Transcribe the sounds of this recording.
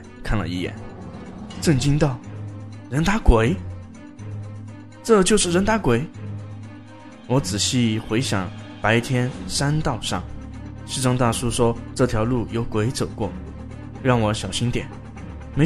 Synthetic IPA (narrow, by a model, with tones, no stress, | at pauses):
kʰa˥˩nlə̰˨˩i˥˩jɛ̰˨˩˦n | ʈ͡ʂɤ˥˩ŋt͡ɕi˥ŋt̪ɑ˥˩ʊ | ɻə˧˥nt̪a˧˥kwe˧˩˥ɪ | ʈ͡ʂɤ˥˧t͡ɕjo˥˧ʊʂɻ̩˥˩ɻə˧˥nt̪a˧˥kwe˧˥ɪ | wɔ˧˥t͡sɹ̩˨˩ɕi˥˩xwe˧˥ɪɕjɑ̰˨˩˦ŋpa˧˥ɪt̪ʰjɛ˥nʂa˥nt̪ɑ˥˧ʊʂɑ̰˥˩ŋʂɻ̩˥˧ʈ͡ʂɑ˥ŋt̪a˥˩ʂu˥ʂwɔ˥ʈ͡ʂɤ˥˩t̪ʰjɑ˧˥ʊlu˥˩jo˧˥ʊkwe˧˥ɪt͡so˨˩ʊkwɔ̰˥˩ | ɻɑ˥˩ŋwɔ˧˥ɕjɑ˨˩ʊɕi˥nt̪jɛ̰˨˩˦n | me˧˥